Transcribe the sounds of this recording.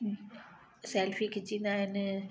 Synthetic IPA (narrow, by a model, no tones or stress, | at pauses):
sɛːlfikʰeːd͡ʑĩːnd̪aːɦɪn